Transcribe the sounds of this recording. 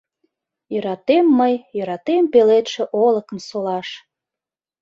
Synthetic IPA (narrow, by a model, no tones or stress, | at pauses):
jəɾɑt̪emːəjjə̆ɾɑt̪empelet̪ʃĕʔoləkəmsolɑʃ